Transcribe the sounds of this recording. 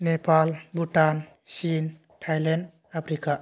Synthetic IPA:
nepalbutan | sin | tʰajlend̚ | apʰɾika

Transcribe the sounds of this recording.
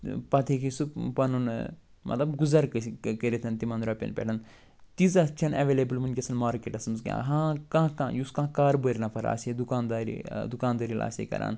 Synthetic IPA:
pɐt̪ʰekʰisupɐnun | mʔɐ̰t̪lɐbɡuzɐɾkkəɾet̪ʰɐnt̪imɐnɾapʲɐ̰npʲɛ̰ʈɐn | t̪izɐt͡ʃʰɐnɐʋelebəlmɐnkʲɐsɐnmaːɾkeʈɐsmzɡã̰ːɦãːkãːkãjuskãːkaːɾboɾnɐpʰɐɾa̰ːsed̪ukaːnd̪aːɾḭd̪ukaːnd̪aɾilʔa̰ːsʲḛkɐ̰ɾa̰ːn

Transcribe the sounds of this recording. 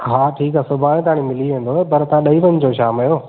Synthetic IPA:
ɦaːʈʰiːkaːsʊbʱaːɽẽt̪ɐaːɽ̃ĩmɪliẽːn̆d̪oːepɐɾt̪ɐɦãɗɐiʋɐɲd͡ʑoʃaːmaːjoː

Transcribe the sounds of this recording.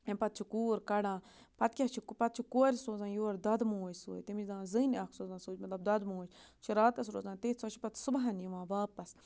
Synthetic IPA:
epɐt̪̚t͡ʃʰikuːɾkɐɽãː | pɐt̪̚kʲɐt͡ʃʰikpɐt̪̚t͡ʃʰikoːɾʲsoːzãːjoːɾd̪ɐd̪muːjso̰ːjt̪emit͡ʃzãːzɨːnɐkʰsoːzãːnsuːd͡ʒmɐt̪lɐb̚d̪ɐd̪muːt͡ʃʰt͡ʃʰiɾaːt̪ɐs̬ɾo̰ːzãːnt̪et͡sʰɐt͡ʃʰi̥pɐt̪subɦɐniʋãːʋaːpːɐs

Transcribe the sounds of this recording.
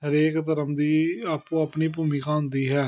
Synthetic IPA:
ɦəɾeːkt̪əɾəmd̪iːaːpːũːapniːp̬uːmiːkaːɦʊ̃nd̪iːɦɛː

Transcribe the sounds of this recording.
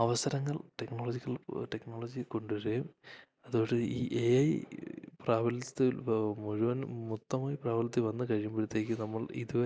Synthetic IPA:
ɐʋɐsɐɾɐŋːɐɭʈeknoːlɐd͡ʑikːɐɭʈe̞knoːɭod͡ʑiko̞ɳɖuʋɐɾeːjum | ɐðuɾeiːʔeɐjpraːbɐlɐt̪ːimuɻuʋɐnmut̪ːɐmaːjipraːbɐlɐt̪ːiʋɐnːɨkɐɻijumbeɽut̪ːe̞ːkʲːɨnɐmːɐɭḭðuʋɐ

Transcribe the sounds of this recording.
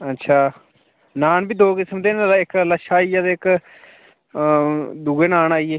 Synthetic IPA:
ətːʃʰaː | naːnbiːd̪oːkɪsəmd̪eːnːlaɪkləʃaːiːaːd̪eːɪk | d̪uːɡeːnaːnaːiːeː

